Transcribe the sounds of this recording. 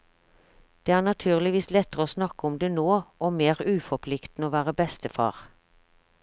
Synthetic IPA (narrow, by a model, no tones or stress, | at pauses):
d̪̥eːæːʁnɑt̪ʰʉːʁlɪʋiːslɛt̪əʁəoːsnɑkəɔmd̪eːnoːoːmeːʁʉːfɔpʰlɪkt̪n̩əoːʋæːʁəbɛst̪əfɑ̰ːʁ